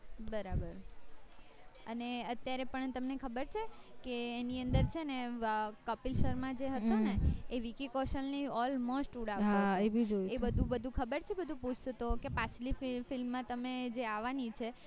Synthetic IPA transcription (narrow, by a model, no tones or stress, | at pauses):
bəɾabəɾ | əneət̪jaɾepəɳt̪əmnekʰəbəɾt͡ʃʰekeːniənd̪əɾt͡ʃʰenekəpilʃəɾmãd͡ʒeɦət̪oneeʋikikɔʃəlliɔlmosʈuɽaʋtɦ̪aebid͡ʒoiebəd̪ʱũbəd̪ʱũkʰəbəɾt͡ʃʰebəd̪ʱũput͡ʃʰət̪okepãt͡ʃʰlififilmːãt̪əmed͡ʒeaʋanit͡ʃʰe